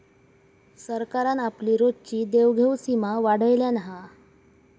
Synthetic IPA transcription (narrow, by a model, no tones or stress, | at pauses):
səɾkaɾanapliːɾot͡ɕiːd̪eʋɡʱewsimaʋaɽ̤əjljanaɦa